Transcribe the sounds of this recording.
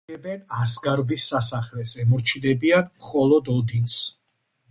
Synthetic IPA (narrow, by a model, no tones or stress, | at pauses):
ɛbɛnasɡaɾbisːasaχlɛsɛmɔɾt͡ʃʰid̪ɛbianmχɔlˠɔd̪ɔd̪ins